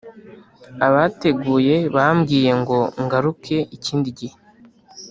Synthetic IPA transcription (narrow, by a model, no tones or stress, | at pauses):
aβate̞ɡuːje̞βamɡiːje̞ŋɡo̞ŋɡaɾukʰe̞iciːndiɟihe